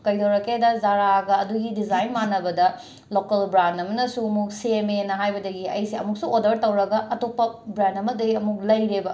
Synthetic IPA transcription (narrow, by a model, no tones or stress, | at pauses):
kɐjdɐwɾɐkedɐzaɾaɡɐːduɡidizajnmanɐbɐdɐ | lokɐlbɾandɐmɐnɐsuɐmuk̚semenɐɦajbɐdɐɡiɐ̰jsiɐ̰muk̚suodɐɾtɐwɾɐɡɐʔɐtopːɐbɾandɐmɐk̚dɐɡiɐmuk̚lɐjɾebɐ